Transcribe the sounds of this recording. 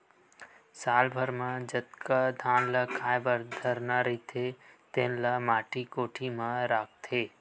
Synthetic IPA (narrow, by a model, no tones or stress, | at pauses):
saːlbʱəɾmãd͡ʒət̪kad̪ʱãːnlakʰaːjbəɾd̪ʱəɾnaɾit̪ʰet̪eːnlamaːʈʰikoːʈʰimãɾaːk̚ʰt̪ʰeː